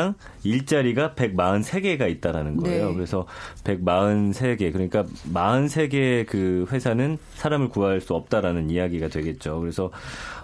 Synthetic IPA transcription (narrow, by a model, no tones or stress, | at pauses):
aŋ | iɭt͡ɕ͈aɾiɡape̞ɡ̚maɯnsʰe̞ɡe̞ɡait̚t͈aɾanɯnɡɡʌejokɯɾe̞sʰʌpe̞ɡ̚maɯnsʰe̞ɡe̞kɯɾʌɲik͈amaɯnsʰe̞ɡe̞kɯɸwe̞sʰanɯn | sʰaɾamɯɭkuaɦaɭs͈uʌp̚t͈aɾanɯnijaɡiɡadwe̞ɡe̞t̚t͡ɕ͈okɯɾe̞sʰʌ